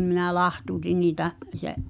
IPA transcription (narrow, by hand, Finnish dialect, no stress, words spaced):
minæ lɑhtuːtin niːtæʔ seʔ